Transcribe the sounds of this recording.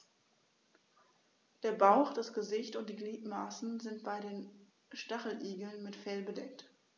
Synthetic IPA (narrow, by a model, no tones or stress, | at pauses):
d̥eːɐbaʊxd̥asɡ̥əzɪçtʊnt̚d̥iːɡliːtmaːsn̩zɪntb̥aɪdeːn | ʃtaχl̩ʔiːɡl̩nmɪtfɛlbədɛk̚t